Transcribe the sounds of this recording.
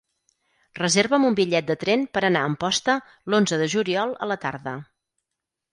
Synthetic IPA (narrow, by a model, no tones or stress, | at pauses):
rəzeɾβəmumbiʎɛt̪̚d̪ət̪ɾɛnpəɾənaəmpɔst̪ə | lonzəðəʒuliɔlˠə̰lət̪a̰ɾðə